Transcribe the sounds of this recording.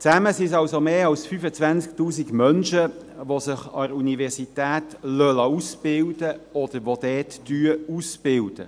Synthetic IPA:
t͡sæməsisɑwsomeːɑwsfyfət͡sʋænt͡sk̚tuːsiɡmœnʃə | ʋosəχɑ̰ɾunivɛʁsit̪æːt̪lœlɑusb̥ɪld̥əɔd̥̪əɾʋod̥̪ɛːtːyəusb̥ɪld̥ə̰

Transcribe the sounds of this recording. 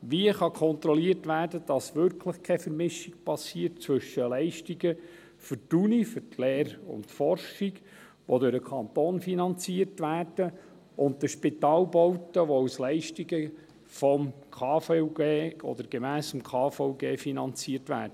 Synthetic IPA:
ʋiəχɑkʰɔnt̪ɾɔliərtʋæːɾdəd̥ɑsʋʏɾkʰləχkʰɛfəɾmɪʃiɡ̥pɑsiːərtt͡sʋʏʃːəlɛɪʃtiɡə | fʏɾtunifʏtʰleːɾʊ̰ntfɔrʃiɡ | ʋodøɾəkʰɑnt̪oːnfinɑnt͡siəɾtʋæːrd̥ə | ʊnd̚d̪əʃpɪt̪ɑːlbɔwtəʋɔuslɛɪʃtiɡə | fɔm | kʰɑːfɛɡeːɔ̰d̥̪əɾɡ̥emæːsəmkʰɑːfɔʊɡeːfinɑnt͡siəɾtʋæ̰ːɾdəə

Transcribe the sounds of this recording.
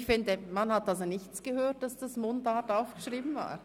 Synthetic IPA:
çfɪndəmanhatalzonɪçt͡sɡ̥əhøːt̚d̥asd̥asmondataʊfɡ̥əʃʁiːbn̩va̰ː

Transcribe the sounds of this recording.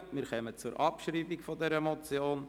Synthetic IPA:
mɪːɾχɛmət͡suɾʔɑpʃɾiːbikfɔdɛɾəmɔt͡sjoːn

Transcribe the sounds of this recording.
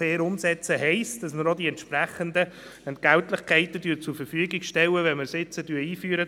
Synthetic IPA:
seːɾʊmsɛt͡səɦɛɪsd̥ɑsməɾodiɛntʃpɾæχənd̪ə | ɛntɡ̥æltlɪχkʰɛɪtətyːt͡sufəɾfyəɡɪɡʃtɛwəʋɛnməɾsɪt͡sətyiːfyːɾə

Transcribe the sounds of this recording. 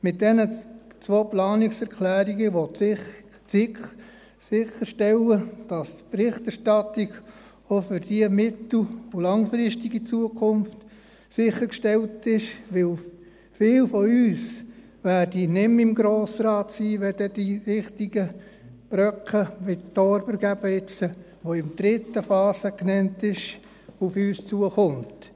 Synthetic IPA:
mɪt̚d̥ɛnət͡sʋoːplɑːnɪksɛɾkʰlæːɾiɡəʋo | ɪk | sɪχəɾʃtɛləd̥ɑstpɾɪχtɛɾʃtɑtiɡ | ofʏɾd̥iəmɪtl̩ʊlɑŋfɾɪʃtiɡit͡suəkʰʊnft | sɪχəkʃtɛltɪʃʋɪl | fɪːlfɔyːs | ʋæːdinɪmɪmɡɾoːsɾɑːtsiːʋɛd̥ɛdiɾɪχtiɡəb̥ɾœkχəʋɪttɔɾbəɾɡ̥æbəɪt͡sə | ʋoɪmd̥ɾɪtːəfɑːsəknɛntɪʃ | ufyːst͡suəχʊmt

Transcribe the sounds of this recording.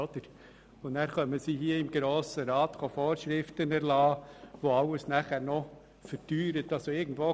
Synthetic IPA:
ɔd̥̪əɾ | ʊnæːɾχœməsiɦiəɪmɡɾoːsəɾɑːt̪χofoːɾʃɾɪftənæɾlɑːʋoɑwəsnæːχæːɾnɔ | fəɾtyːɾət̪ɑlsoɪɡn̩d̥ʋoː

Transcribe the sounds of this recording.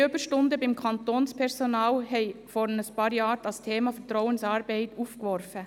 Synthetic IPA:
øb̥əʃtʊndəbɪmkʰɑntoːnspʰɛɾsɔnaːlhɛɪfɔɾnəspɑːɾjɑːɾd̥ɑstʰeːmɑfətɾɔwənsɑːɾbɛɪtuːfkʋɔɾfə

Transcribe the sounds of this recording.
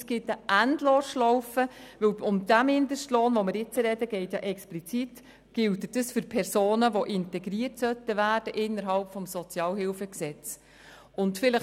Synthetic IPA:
sɡ̥ɪtəʔændloːʃlɔwfəʋɵwʊmd̥æmhɪndəʃtloːnʋomɪɾjɪt͡səɾɛdəɡ̥ɛɪtjɑ̰ːʔɛksplit͡sit | ɡ̥ɪltəd̥əsfʏɾpʰɛɾsoːnəʋoʔɪntɛɡɾiərtsœtːəʋæːrd̥əʔɪnːəɾɦɑlpfɔmsɔt͡sjɑːlɦɪlfəksɛt͡s | ʊntfɪləχ

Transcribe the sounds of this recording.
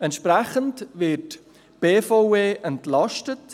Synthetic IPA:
ɛntʃpɾɛχəntvɪt | b̥eːfaweːʔɛntlɑʃtət

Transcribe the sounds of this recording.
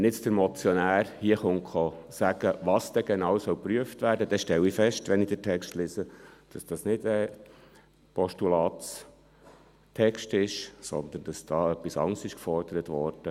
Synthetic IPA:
nɪt͡sd̥əɾmɔt͡sjɔnæːrhiəχʊŋkχɔsæɡ̥əʋɑːsd̥̪ɛɡ̥enɑːwsœwpɾyəftʋæːɾdəd̥ɛʃtɛwifɛʃtʋɛnid̥ətʰɛkstlɪsəd̥ɑsd̥ɑsnɪdɛ | pʰɔʃtulɑːtt͡s | tʰɛkʃtɪʃsɔ̰nd̪ənd̥ɑsd̥ɑːœpːisɑ̰ŋsɪʃkfɔrd̥əɾətʋɔɾd̥ə

